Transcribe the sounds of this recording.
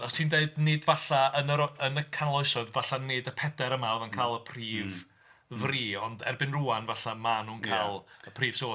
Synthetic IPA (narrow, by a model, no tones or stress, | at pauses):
əsiːndeɨdneːdvaɬaənəɾɔənəkʰanlˠɔɨsɔɨðvaɬaneːdəpʰɛdɛɾəmaɔðənkʰaːlˠəpʰriːv | vriːɔndɛ̰rbɪnruːanvaɬamanuːnkʰalˠəpʰriːv̥soː